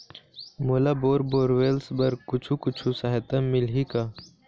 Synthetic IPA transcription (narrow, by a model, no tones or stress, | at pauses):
moːlaboːɾboːɾʋeːlsbɐɾkʊt͡ʃʰukʊt͡ʃʰusɐɦet̪ɐmɪlɦika